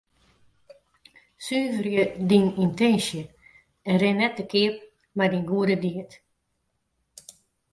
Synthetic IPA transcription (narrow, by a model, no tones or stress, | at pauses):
syːvərjədinintɛnsjə | ɛnrɪnːɛt̚dəkʰɪəp̚ | madinɡuədədiət